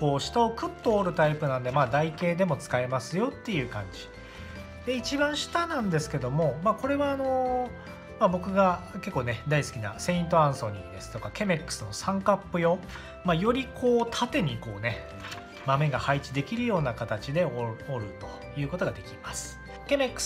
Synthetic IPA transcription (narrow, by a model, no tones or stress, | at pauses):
ko̞ːɕi̥t̪ao̞kɯ̟t̪ːo̞ːɾɯ̟t̪aipɯ̟nãnd̪e̞maːd̪aike̞ːd̪e̞mo̞t͡sɨ̥kae̞masɨjo̞t̪ːe̞jɯ̟ːkã̰ɲ̟d͡ʑi̥ | d̪̥e̞it͡ɕibãɰ̃ɕi̥t̪anãnd̪e̞sɨ̥ke̞d̪o̞mo̞mako̞ɾe̞βaːno̞ | mabo̞kɯ̟ɡake̞kːoːned̪aisɨ̥kʲina̰sẽ̞ĩnt̪̬o̞ãɰ̃so̞ɲ̟ḭ̃d̪e̞sɨ̥t̪o̞kake̞me̞kːɯ̟̥sɨno̞sãŋkapːɯ̟jo̞ | majo̞ɾʲikʰo̞ːt̪ʰat̪e̞ɲ̟iko̞ːne̞ | mame̞ɡahait͡ɕid̪e̞kʲiɾɯ̟jo̞ːnakat̪at͡ɕid̪e̞ooɾɯ̟t̪o̞̥ | jɯ̟ːko̞t̪o̞ɡad̪e̞kʲimasɨ̥ | ke̞mekːɯ̥s